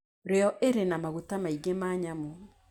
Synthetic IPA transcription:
ɾeɔʔeɾenamaɣutamaiɡemaːɲamo

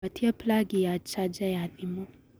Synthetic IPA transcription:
atʰiɐplaɡijat͡ʃad͡ʒajaðimu

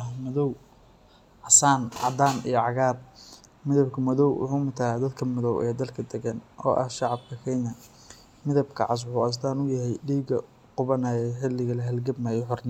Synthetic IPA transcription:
mɐðɔw | ʕɑsaːnʕɑd̪aːnḭjɔʕɑɣaːb̚mɪðɐbkʰɐmɐðɔwwʊ̰ħumʊt̪ʰaːd̪ɐd̪kʰɐmɐðɔwʔɛːd̪ɐlkʰɐd̪ɛɡɐnʔɔ̰ːʔɐ̰hʃɑʕɑb̚kʰɐkʰɛjnɐ | mɪðɐbkʰɐ̰ʕɑs̬ʕʊɐs̬t̪aːnʊjɐɦɛjɖiːɡɐ | qʊβɐnajɛħɪlɪɣɐlɐɦɐlɡɐbmɐjħʊrnɛ

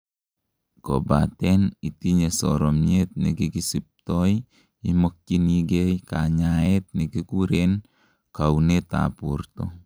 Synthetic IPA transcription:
ko̰batɛnitiɲesɔ̰ɾɔmɲet̪̚nikikisip̚tɔj | imok̚t͡ʃiniɡejkaɲaet̚nikikuɾen | kawneta̰purtɔ

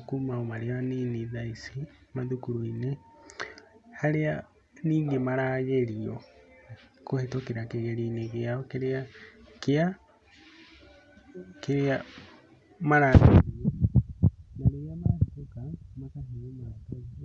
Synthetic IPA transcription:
akumaomaɾeaniniðaisimaðukuɾoine | haɾea | niːŋɡemaɾaːɣeɾiɔ | kohetokeɾakeɣeɾiːneɣeaɔkeɾeakea | keɾea | maɾaɣeɾiɔ | naɾejamahetokamakaɦeɾomaɾaka

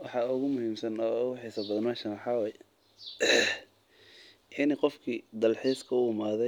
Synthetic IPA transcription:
wɑħɑʊɣʊmʊhiːmsɐnɔːʊɣʊħiːsɐbɐðnaʃɐnwɑħɑːwɛːj | ɪniqɔfkʰiːd̪ɐlħiːskʰɐʊːmaːðɛ

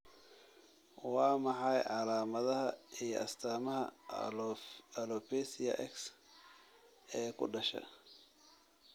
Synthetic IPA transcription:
wɑːmɑħɑjʕɑlaːmɐðɐɦɐijɔʔɐst̪ʰaːmɐɦɐ | ɐlɔpʰɛsɪjɐ̰ʔɛks | ɛːkʰʊ̰ɖɐʃɐ̰

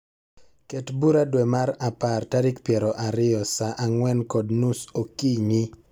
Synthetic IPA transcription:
kɛtbuɾadwɛmaɾapartaɾikpjɛɾɔʔaɾɪjɔsaʔaŋwɛnkɔdnusokiɲi

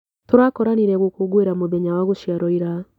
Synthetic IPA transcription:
toɾakɔɾaniɾɛɣokoɡweɾamoðeɲawaɣoʃiaɾɔiɾa

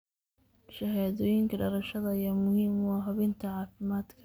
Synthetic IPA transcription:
ʃɐɦaːðɔːjɪŋkʰɐɖɐɾɐʃɐðɐɐjaːmʊhiːmʊɑɦɐβɪnt̪ʰɐʕɑːfɪmaːd̪kʰɐ̥

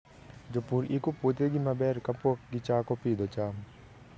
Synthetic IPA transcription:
d͡ʒopuɾikoput̪eɡimɐbeːɾkɐpukɡit͡ʃaːkopiːd̪ot͡ʃaːm

